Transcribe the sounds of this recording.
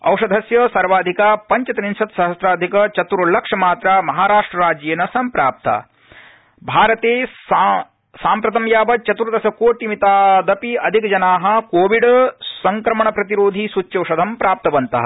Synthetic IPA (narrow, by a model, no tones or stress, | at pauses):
ɐ̰wʂɐd̪ʱɐsjɐsɐɾʋaːd̪ʱikaːpɐɲt͡ʃɐt̪ɐninʃɐt̪sɐɦɐsɾaːd̪ʱikɐt͡ʃɐt̪uɾulɐkʂɐmaːt̪ɾaːmɐɦaːɾaːʂʈɾɐɾaːd͡ʒjeːnɐsɐmpɾaːp̚t̪a̰ː | bʱaːɾɐt̪eː | saːmpɾɐt̪ɐmjaːbɐt͡ʃɐt̪uɾɐd̪ɐsɐkoːʈimit̪aːd̪ɐpiɐd̪ʱikɐd͡ʒɐnaːɦɐ̆koːʋiɖsɐŋkɾɐmɐɳɐpɾɐt̪iɾoːd̪ʱisut͡ʃːjɐwʂɐd̪ʱɐmpɾaːp̚t̪ɐʋɐnt̪ɐ̰ɦɐ̰